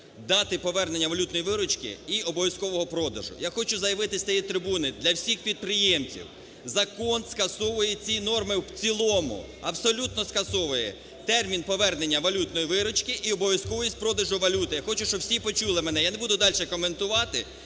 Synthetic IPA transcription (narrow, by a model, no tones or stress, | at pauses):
d̪ɑt̪ɪpɔʋɛrne̞nʲːɐʋɐlʲut̪nɔjiʋɪɾɔt͡ʃkɪ̰iɔbɔʋʲɐskɔʋɔɦɔpɾɔd̪ɐ̰ʒʊ̰jaxɔt͡ʃʊzɐjɐʋɪt̪ɪsʲt̪ɐjit̪ɾɪbunɪd̪lʲɐwsʲixpʲid̪̚pɾɪjemt͡sʲḭw | zɐkɔnskɐsɔʋʊjɛt͡sʲinɔrmɪwt͡sʲilˠɔmʊ̰ | ɐbsɔlʲut̪̚nɔskɐsɔʋʊjɛ̰ | t̪ɛrmʲinpɔʋɛrne̞nʲːɐʋɐlʲut̪nɔjiʋɪɾɔt͡ʃkɪʔiɔbɔʋʲjɐskɔʋɔjis̚ʲpɾɔd̪ɐʒʊʋɐlʲut̪ɪjaxɔt͡ʃʊʃt͡ʃɔbwsʲipɔt͡ʃulˠɪmɛnɛjanebud̪ʊd̪ɑlʲʃɛkɔment̪ʊʋɑt̪ɪ̰